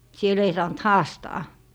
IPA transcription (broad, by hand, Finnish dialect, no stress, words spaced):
siel ei sɑːnt hɑːstɑː